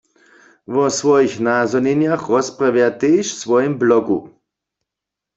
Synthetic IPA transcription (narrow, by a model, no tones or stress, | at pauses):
vɔsvɔjixnaːzɔnɛnjaxrɔspravjat̪eːʃsvɔjɛmblɔɡṵ